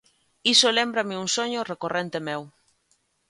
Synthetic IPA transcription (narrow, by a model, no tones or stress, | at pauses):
isolembɾameunsoɲorekorent̪emew